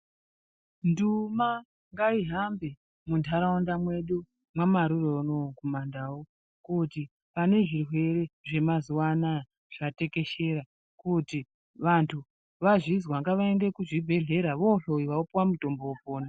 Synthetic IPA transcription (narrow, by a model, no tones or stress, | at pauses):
nduma | ŋɡaiɦambe | muntʰaɾaundamwe̞ɗu | mwamaɾuronokumandawo | kuti | pane̞ʐirwe̞re̞ʐe̞mazuwana | ʐ̥ate̞ke̞ʃe̞ɾa | kuti | ʋantʰu | ʋaʐizwaŋɡaʋae̞nde̞kuʐibʱe̞ɮe̞ɾaʋo̞ɬoiʋaupwamuto̞mboupoːna